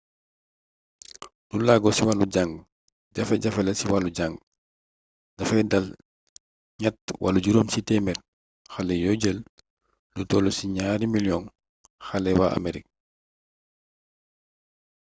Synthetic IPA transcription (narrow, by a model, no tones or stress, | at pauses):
nulaɡɔsiwaluɟaŋɡ | ɟɐfɛɟafɛlɛsiwaluɟaŋɡ | dɐfɛdal | ɲat̚wʔa̰luɟuɾomsitɛmɛt̚ | xalɛjoɟəl | lutɔlosiɲaɾimiljɔn | xalɛwaʔa̰meɾik̚